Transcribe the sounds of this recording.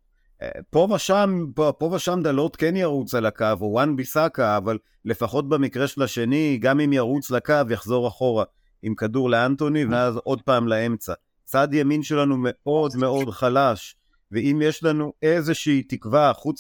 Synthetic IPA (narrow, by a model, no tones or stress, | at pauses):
po̞vaʃampopo̞vaʃamd̪alo̞t̪kenjaʁut͡salakavowanbisakaːvalː | e̞faχo̞t̚bemikʁeʃelaʃe̞niɡamimjaʁut͡slakavjaχzo̞ʁaχo̞ʁa | imkaduʁleanto̞niveazo̞d̚paːmlae̞mt͡sa | t͡sadjaminʃe̞lanume̞o̞dme̞o̞dχalaʃ | veimjeʃlanuʔe̞ze̞ʃiːtikvaχut͡s